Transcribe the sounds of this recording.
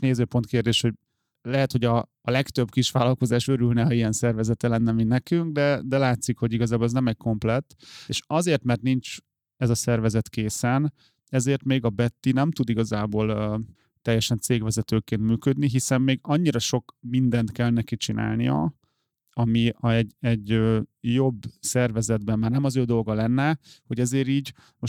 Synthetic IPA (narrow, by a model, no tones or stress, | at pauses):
neːzøːpo̞nt̪keːrd̪eːʃho̞ɟ | lɛɦɛt̪ho̞ɟɒː | lɛkt̪ø̞bkiʃʋaːlɒlko̞zaːʃø̞ɾylnɛɒijɛnsɛrvɛzɛt̪ɛlɛnːɛminɛkyŋɡ̚d̪ɛd̪ɛlaːt̪sikho̞ɟiɡɒzaːbolɛznɛmɛcko̞mplɛt̪eːʃɒzeːrt̪mɛrt̪nint͡ʃ | ɛzɒsɛrvɛzɛt̪keːsɛn | ɛzeːrt̪meːɡɒbɛt̪ːinɛmt̪ud̪iɡɒzaːboːl | t̪ɛjːɛʃɛnt̪seːɡʋɛzɛt̪øːkeːnt̪myːkød̪niɦisɛmmeːɡɒɲːiɾɒʃo̞kmind̪ɛnt̪kɛlnɛkit͡ʃinʔa̰ːlnijɒ̰ | ɒmiɛɟɛɟøjo̞bːsɛrvɛzɛd̪bɛmːaːrnɛmɒzøːd̪o̞lɡɒlɛnːɛho̞ɟɛzeːɾiːɟ | mo